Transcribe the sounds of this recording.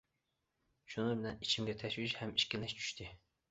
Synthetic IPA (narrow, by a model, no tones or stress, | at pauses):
ʃunɨbɪlɛnit͡ʃʰimɡʲɛt̪ʰɛʃwiʃhɛmiʃkʲiɪnɛʃt͡ʃʰy̥ʃt̪ʰɪ